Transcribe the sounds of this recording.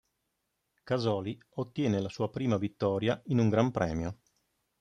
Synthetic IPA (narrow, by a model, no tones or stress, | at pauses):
kazɔːli | ot̪ːjɛːnelasuːapɾiːmavit̪ːɔːɾjainuŋɡɾampɾɛ̰ːmjo